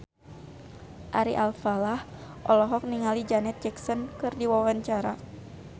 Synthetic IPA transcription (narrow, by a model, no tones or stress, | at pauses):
ʔaɾḭʔalfalahʔɔlɔɦɔk̚niŋalid͡ʒanɛt̪̚d͡ʒɛksɔnkɨrdiwawaɲt͡ʃaɾa